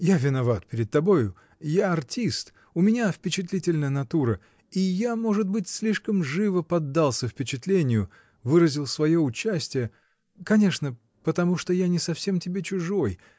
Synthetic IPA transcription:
javʲɪnɐvat̪pʲɪɾʲɪd̪̚t̪ɐbo̞jʊ | jaɐrtʲist̪ | ʊmʲɪnʲafpʲɪt͡ɕɪt̪lʲitʲɪlʲnəjənɐt̪uɾə | ijamo̞ʐɨd̪̚bɨtʲsʲlʲiʂkəmʐɨvəpɐd̪ːalˠsʲəfpʲɪt͡ɕɪt̪lʲenʲɪjʊ | vɨɾəzʲɪlˠsvɐjo̞ʊt͡ɕːæsʲtʲɪjə | kɐnʲe̞ʂnə | pət̪ɐmuʂt̪ojanʲɪsɐfsʲe̞mtʲɪbʲet͡ɕʊʐo̞j

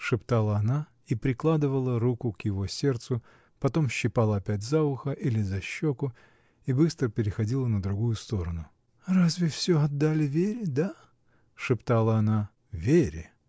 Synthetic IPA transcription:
ʂɨpt̪alˠəɐna | ipɾʲɪklˠad̪ɨvəlˠəɾukʊkjɪvo̞sʲe̞rt̪sʊ | pɐt̪o̞mɕːɪpalˠəɐpʲætʲzaʊxəʔilʲɪzɐɕːokʊ | ibɨst̪ɾəpʲɪɾʲɪxɐdʲilˠənəd̪ɾʊɡujʊst̪o̞ɾənʊ | razvʲɪfsʲoɐd̪ːalʲɪvʲeɾʲɪd̪a | ʂɨpt̪alˠəɐna | vʲeɾʲɪ̰

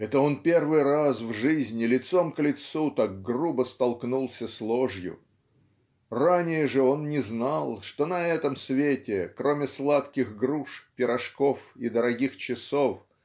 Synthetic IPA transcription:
ɛt̪əo̞npʲe̞rvɨjrasvʐɨzʲnʲɪlʲɪt̪so̞mklʲɪt̪sut̪ak̚ɡrubəst̪ɐlˠknulˠsʲəslˠoʐjʊ̰ | ranʲɪjəʐɨo̞nnʲɪznalˠʂt̪o̞nɐɛt̪əmsvʲetʲɪkɾo̞mʲɪslˠat̪kʲɪxɡɾuʂpʲɪɾɐʂko̞fid̪əɾɐɡʲixt͡ɕɪsof

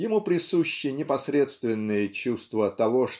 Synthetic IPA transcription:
jɪmupɾʲɪsuɕːɪjənʲɪpɐsɾʲe̞t̪st̪vʲɪnːɨjət͡ɕust̪vət̪ɐvoʂ

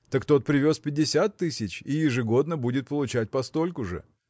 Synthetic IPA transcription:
t̪əkt̪o̞t̪̚pɾʲɪvʲo̞spʲɪdʲːɪsʲat̪ːɨsʲɪt͡ɕijɪʐɨɡo̞d̪nəbudʲɪt̪̚pəlˠʊt͡ɕæt̚ʲpɐst̪o̞lʲkʊʐɨ̰

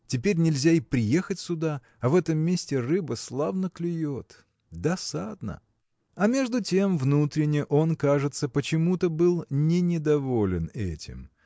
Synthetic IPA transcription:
tʲɪpʲeɾʲnʲɪlʲzʲaipɾʲɪje̞xətʲsʲʊd̪a | ɐvɛt̪əmːʲesʲtʲɪrɨbəslˠavnəklʲɪjot̪ | d̪ɐsad̪nə̰ | ɐmʲe̞ʐd̪ʊtʲemvnut̪ɾʲɪnʲɪʔo̞nkaʐɨt̪səpət͡ɕɪmut̪əbɨlˠnʲɪnʲɪd̪ɐvo̞lʲɪnɛ̰tʲɪ̰m

